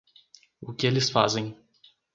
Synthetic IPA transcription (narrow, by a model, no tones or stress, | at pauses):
ʊkɪelɪsfa̰zẽj̃